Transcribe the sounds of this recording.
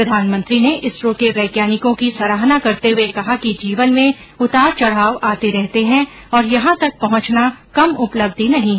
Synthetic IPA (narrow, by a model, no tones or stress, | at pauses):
pɾɐd̪ʱaːnmə̃nt̪ɾineʔɪsɾõkeʋɛːkjaːnɪkõkisɐɾaːɦnakɐɾt̪eɦʊekɐɦakid͡ʒiːʋənmẽ | ʊt̪aːɾt͡ʃɐɽ̤aːʋaːt̪eɾɛɦt̪eɦɛ̃ | ɔːɾjɐɦãt̪ɐk̚pɐɦʊ̃t͡ʃnakɐmʊpləb̚d̪inɐɦĩɦ